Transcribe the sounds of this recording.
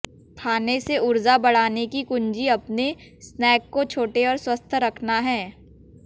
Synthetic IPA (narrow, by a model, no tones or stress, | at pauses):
t̪ʰaːneseʊɾzabɐɽ̤aːnekikʊ̃ɲd͡ʒiɐpnesnɛːkːot͡ʃʰoːʈeɔːɾswɐst̪ʰɾɐkʰnaɦɛ̃ː